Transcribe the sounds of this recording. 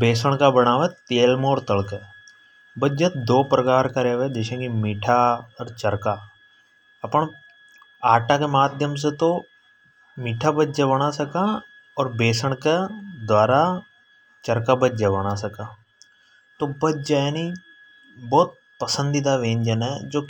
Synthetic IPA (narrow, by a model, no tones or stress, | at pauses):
beːsəɽ̃kabəɽ̃aːʋɛt̪eːlmoːɾt̪əlkɛ | bəd͡ʒət̪d̪oːpɾəkaːɾkaɾeːʋed͡ʒeːʃə̃kimiːʈʰaɔːɾt͡ʃəɾka | ɐpɳ̃ | aːʈakemaːd̪ʱjəms̬et̪o | miːʈʰabədd͡ʒabəɽ̃asəkã | ɔːɾbeːsəɽ̃ked̪waːɾa | t͡ʃəɾkabəd͡ʒabəɽ̃asəka | t̪obəd͡ʒaeni | bɔːt̪̚ | pəsə̃nd̪id̪aʋẽːnd͡ʒənɛd͡ʒoːk